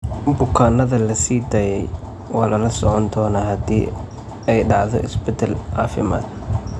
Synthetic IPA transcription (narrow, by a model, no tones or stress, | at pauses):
bʊkʰaːnɐðɐlɐsiːd̪ɐːjɛj | wɑːlɐlɐsɔʕɔnd̪ɔːnɐɦɐd̪ḭː | ɛjɖɑʕðɔ̰ʔɪ̰sbɛd̪ɐlʕɑːfɪma̰ːd̪̚